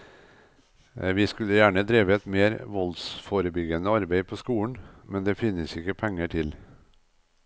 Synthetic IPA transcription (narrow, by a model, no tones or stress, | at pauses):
ʋɪskʉləjæːɳəd̪ɾiːʋəɛt̪meːɾʋɔlsfoɾəbʏɡənəɑɾbeɪpʰoːskuːɳ̩mɛnd̪eːfɪnəsɪkːəpʰɛŋːəʈʰɪl